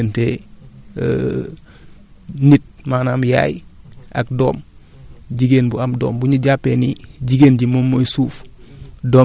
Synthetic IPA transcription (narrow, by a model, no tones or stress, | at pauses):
nte | nit̚maːnamja̰ːjʔa̰k̚doːm | ɟiɡenbuamdo̰ːmbuɲuɟapːeniɟiɡeːnɟimomːoisuːfdoː